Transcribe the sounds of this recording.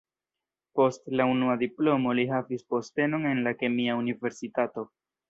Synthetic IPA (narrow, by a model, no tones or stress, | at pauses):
po̞stlaunuadiplo̞mo̞liɦavispo̞ste̞no̞ne̞nlake̞miaunive̞ɾsitato̞